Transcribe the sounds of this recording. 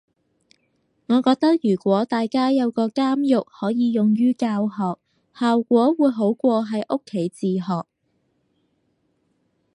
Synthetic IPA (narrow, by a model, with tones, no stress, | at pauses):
ŋɔː˨˧kɔː˧k̚t̪ɐ˥k̚jyː˨˩kʷwɔː˨˥t̪aː˨jkaː˥jɐ˨˧wkɔː˧kaː˥mjʊ˨k̚hɔː˨˥jiː˨˧jʊ˨˩ŋjyː˥kaː˧whɔː˨k̚ | haː˨wkʷɔː˨˥wuː˨˧jɦo˨˥wkʷɔː˧ɦɐ˨jʔʊ˥kʰːe˨˥jt͡siː˨ɦɔː˨k̚